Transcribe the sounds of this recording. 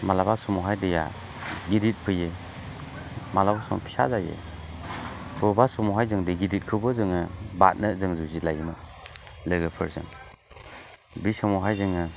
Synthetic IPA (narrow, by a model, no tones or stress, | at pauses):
malabasɔmɔɦajdɯja̰ | ɡiɾit̚pʰɯje | malabasɔŋ̰pʰi̥sa̰zajḛ | b̥ɯbasɔmɔɦajzɯŋdiɡidit̚kʰɯbɯzɯŋɯbat̚nɯzɯŋzuzilajnɔ | lɯɡɯpʰɯɾzɯ̰ŋ | bisɯmɔɦajzɯŋɯ